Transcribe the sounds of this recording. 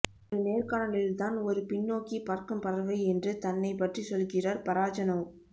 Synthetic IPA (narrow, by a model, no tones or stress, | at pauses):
lneːɾkaːɳɐɭɪlt̪aːnɔɾɯpɪnːoːkipɐɾkɯmpɐɾɐɾʋɐɪɛndrɯt̪ɐnːɐɪpɐʈrisɔlɣɪraɾpɐɾaːt͡ʃɐnɐw